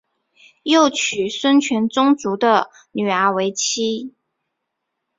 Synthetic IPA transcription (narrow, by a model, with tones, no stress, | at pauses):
jo˥˩ʊt͡ɕʰy˨˩swə˥nt͡ɕʰɥɛ˧˥nt͡sʊ˥ŋt͡su˧˥d̪ə˧ | ny˨˩ə˞˧˥we˧˥ɪt͡ɕʰi˥